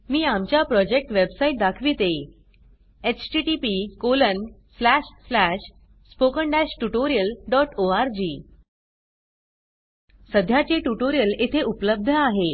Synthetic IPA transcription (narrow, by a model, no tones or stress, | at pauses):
miːamt͡ɕjapɾɔd͡ʑek̚ʈʋebsaiʈ̚d̪akʰʋit̪e | et͡ɕʈiʈipikolən | slæɕslæɕ | spokəɳɖæɕʈuʈoɾijəlɖɔʈoaɾd͡ʑiː | səd̪ʱjat͡ɕeʈuʈoɾijəlet̪ʰeʔupləb̚d̪ʱəaɦe